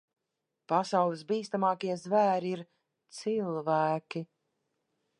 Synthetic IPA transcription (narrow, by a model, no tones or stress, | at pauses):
pasawlˠisbiːst̪amaːkiɛzvæːɾiiɾ | t̪silˠvæːkʲi